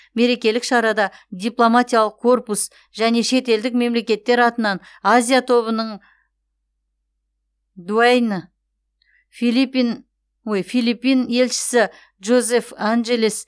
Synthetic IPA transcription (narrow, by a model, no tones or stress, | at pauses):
me̞ɾe̞kʲe̞lɪkʃɑɾɑd̪ɑd̪ʲijplˠo̞mat̪ʲijalˠəq̚kʰːo̞rpus | ʒ̥æne̞ʃe̞t̪e̞ld̪ɪk̚me̞mle̞kʲe̞t̪ːe̞ɾɑt̪ənɑn | azʲijat̪ʰo̞βənəɴ | d̪uajnə | filipin | wojfijlˠipːine̞lʃɪ̥sɪ | ʒo̞ze̞fanʒelis